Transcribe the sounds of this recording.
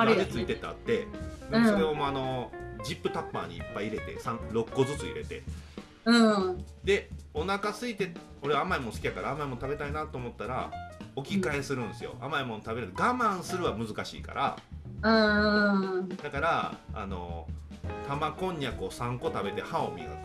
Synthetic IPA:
et͡sɨit̪e̞t̪ea̰t̪ːe̞d̪soɾe̞omoano̞d͡ʑipːɯ̟t̪apːa̰ːɲ̟ḭːpːaiːɾe̞t̪e̞̰sãŋɾo̞kːo̞zɨt͡sɨḭɾe̞̰t̪e̞̰ | ɯ̃ | d̪e̞o̞nakasɨit̪e̞ | o̞ɾe̞aamaimonsɨ̥kʲijakaɾaːmaimo̞nt̪abe̞t̪ainat̪ːeːmo̞t̪ːaɾa̰o̞kʲikae̞sɨɾɯ̟̃nd̪e̞sɨjo̞̰amaimo̞nt̪abe̞ɾɯɡamãɰ̃sɨɾɯ̟βamɯ̟zɨkaɕḭːka̰ɾʔa̰ɯ | d̪̥akaɾaa̰no̞̰ | t̪ʰamakõ̞ɲ̟ːakɯosãŋko̞t̪abe̞t̪e̞hao̞mʲiɯ̰

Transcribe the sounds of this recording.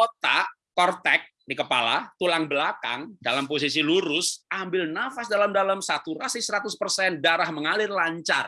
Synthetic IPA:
kot̪a̰ | kɔrt̪ɛk̚dikəpala̰t̪ulaŋbəlaka̰ŋdalampos̬isiluɾʊsambɪlnafasdalamdalamsat̪urasɪsəɾat̪ʊspərsɛndaɾahməŋalɪrlaɲt͡ʃar

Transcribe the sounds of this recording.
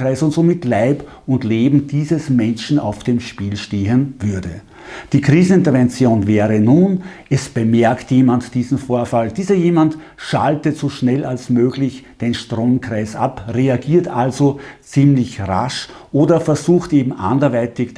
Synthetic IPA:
ʁaɪsʊntz̥omɪtlaɪp | ʊntleːbm̩diːzəsmɛnʃn̩a̰ʊfd̥eːmʃpiːlʃteːɦənvʏɐdə̰ | d̥iːkʁ̥iːzn̩ɪntɐvɛnt͡sjoːnvɛːʁənuːnʔɛsb̥əmɛɐktjeːmantd̥iːzn̩foːɐfald̥iːzɐjeːmantʃa̰ltəz̥oʃnɛlalsmøːɡlɪçd̥eːnʃtʁoːmkʁ̥aɪsʔa̰pʁeaɡiːɐtalzot͡siːmlɪçʁa̰ʃʔoːdɐfɛɐzuːxtʔeːbm̩ʔa̰ndɐvaɪtɪç

